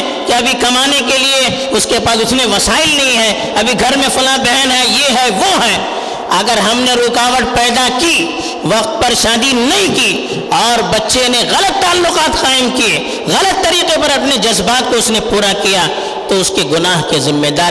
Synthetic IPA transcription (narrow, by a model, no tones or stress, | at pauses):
kiɐbʱikɐmaːnekelie | ʊskepaːsʊsneʋɐsaːɪlnɐɦĩɦɛ | ɐbʱiɡʱɐɾmẽfʊlãbɛɦnɦɛjeɦɛʋoɦɛː | ɐɡəɾɦɐmneɾoːkaːʋəʈ̚pɛːd̪aki | ʋɐqt̪̚pɐɾʃaːd̪inɐɦĩkiː | ɔːɾbɐtːʃeneɣɐlət̪ːaːlːʊqaːt̪qaːɪmkie | ɣɐlət̪ːɐɾiːqepɐɾɐpned͡ʒɐzbaːt̪̚koʊsnepuːɾakija | t̪oʊskeɡʊnaːɦkezɪ̃mːed̪aː